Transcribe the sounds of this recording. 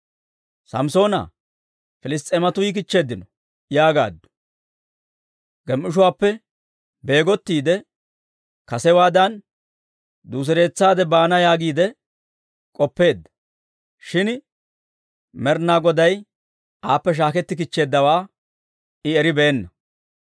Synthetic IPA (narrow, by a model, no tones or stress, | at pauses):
sɐ̰mso̞ːnɐ̰ | fɪlɪs̬t̪ʼːɛːmɐt̪ʊjɪk̬ɪt͡ʃːe̞ːd̪ːɪnɔ | jaːɡa̰ːd̪ːʊ̥ | ɡ̥ɛmʔɪʃ̬ʊwaːpːɛ | be̞ːɡɔt̪ːiːd̪ɛ | kɐsɛwaːd̪ɐn | d̪uːs̬ɪɾe̞ːt͡sːaːd̪ɛbaːnɐjaːɡiːd̪ɛ | kʼɔpːe̞ːd̪ːɐ̥ | ʃɪn | mɛɾnaːɡɔd̪ɐj | aːpːɛʃ̬aːkɛt̪ːɪk̬ɪt͡ʃːe̞ːd̪ːɐwaː | ɪɛɾɪbeːnːɐ